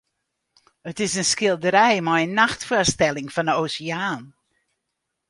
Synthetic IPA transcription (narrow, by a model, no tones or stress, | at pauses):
ətɪsənskɪlˠdəɾɛjmajənːaxtfəstɛlɪŋfɔnəowsiaːn